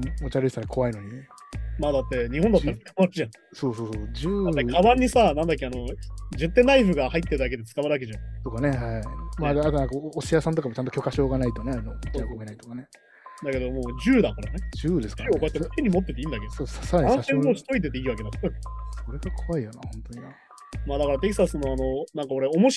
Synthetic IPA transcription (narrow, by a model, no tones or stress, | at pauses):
mot͡ɕaɾsaɾakʰo̞βaino̞ɲ̟imaːd̪at̪ːe̞ɲ̟ihõnd̪at̪ːaɾḁkmatɯʑã | soːsoːsod͡ʑɨːaekkʰaβãɲ̟ːisanãnd̪akʲːiano̞d͡ʑɨt̪ːẽ̞nːaiɸɯ̟ɡahait̪ːe̞ɾ̟d̪ak̬e̞d̪e̞t͡sɨ̥kaβaɾɯak̬e̞ʑãt̪o̞kaneɦamad̪ːt̪onãŋkaoɕijasãnt̪okamt͡ɕãnt̪okʲo̞kaɕo̞ːɡanait̪oneaɾnookomenait̪okane | d̪ake̞d̪o̞moːd͡ʑɨːd̪ãŋkoɾane̞d͡ʑɨːd̪esokoat̪ːemot̪eɲ̟ːimo̞t̪ːe̞t̪e̞ĩnd̪akeooasaɾaɲãaɕent̪oːɕi̥t̪o̞it̪̬e̞t̪̬e̞iːβake̞d̪askksoɾeɡakʰoβaijonahõnt̪oɲia | maːd̪akaɾat̪e̞ki̥sasɨnːo̞ano̞nãŋkao̞ɾe̞o̞mo̞ɕ